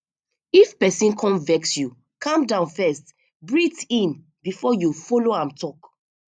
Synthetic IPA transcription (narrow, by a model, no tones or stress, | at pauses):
ifpɛsĩnkʰɔ̃nvɛksju | kʰãmdãʊ̃nfɛst | bɹitĩn | bifɔjufɔloãmtʰɔk